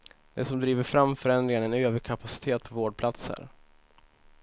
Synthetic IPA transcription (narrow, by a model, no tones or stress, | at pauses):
d̪ɛsɔmd̪ɾiːvəɾfɾamːfœɾɛnd̪ɾɪŋaɳɛnøːvəɾkʰapʰasɪ̥t̪ʰeːt̪̚pʰɔvoːɖ̚pʰlat̪sə̰ɾ